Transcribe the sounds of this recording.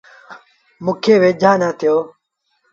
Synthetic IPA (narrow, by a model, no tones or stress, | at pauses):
mʊ̃ːkʰeːʋeːd͡ʒʱaːnaːt̪ʰɪjoː